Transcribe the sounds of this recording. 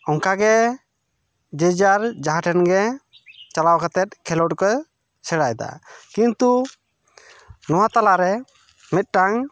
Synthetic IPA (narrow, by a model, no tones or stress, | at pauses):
ɔŋkaɡɛ | d͡ʒɛd͡ʒaɾd͡ʒaɦaʈʰɛnɡɛ | t͡ʃalawkat̪ɛt̪̚kʰɛlɔʈkɔj | sɛɽajd̪a̰kint̪u | nɔwat̪alaɾɛ | mit̪̚ʈaŋ